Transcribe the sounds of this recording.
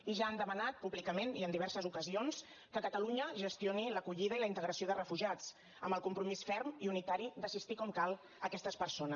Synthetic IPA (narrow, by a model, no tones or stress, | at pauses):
iʒaːnd̪əmənat̪̚puβlikəmeniənd̪iβ̞ɛɾrsəzukəzions | kəkət̪əluɲəʒəst̪ioniləkuʎiðəiləint̪əɣ̞ɾəsioðərəfuʒat͡s | ə̰mbəlˠkumpɾumisfɛɾmiunit̪aɾid̪əsist̪ikɔmkalˠ | əkɛst̪əspəɾsonə